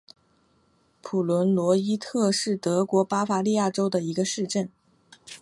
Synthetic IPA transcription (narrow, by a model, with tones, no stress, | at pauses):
pʰu˨˩lwə˧˥nlwɔ˧˥i˥t̪ʰɤ˥˧ʂɻ̩˥˩t̪ɤ˧˥kwɔ˧˥pa˥fa˧˥li˥˧ja˥˩ʈ͡ʂo˥ʊd̪ə˨i˧˥ɡə˧ʂɻ̩˥˧ʈ͡ʂə˥˩n